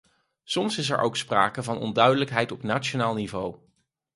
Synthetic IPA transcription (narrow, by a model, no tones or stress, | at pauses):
sɔmsɪs̬ɛ̰ɹʔowkspra̰ːkəvɑnɔ̰ndœɥdələkɦɛjtɔpnaːt͡ʃonaːlˠnivow